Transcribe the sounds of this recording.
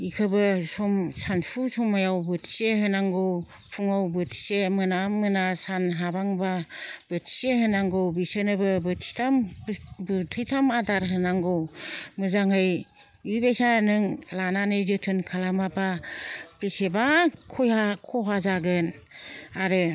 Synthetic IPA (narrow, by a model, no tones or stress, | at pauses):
ikʰɯbɯsɔmsanpʰusɔmajawbɯtʰi̥seɦɯnaŋɡɯw | pʰuŋawbɯtʰi̥semɯnamɯnasanɦabaŋbab̥ɯtʰi̥seɦɯnaŋɡɯwbisɯnɯbɯbɯtʰi̥tʰambɯtʰɯjtʰamadaɾɦɯnaŋɡɯwmɯzaŋhɯj | ibesanɯŋlananɯzɯtʰɯnkʰalamapʰabesebakʰɔjhakʰɔɦazaɡɯnaɾɯ